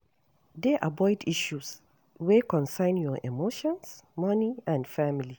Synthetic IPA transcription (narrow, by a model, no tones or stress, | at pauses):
deʔabɔɪdiʃus | wekɔ̃nsãɪ̃njɔʔemoʃɔ̃nsmɔniãndfamili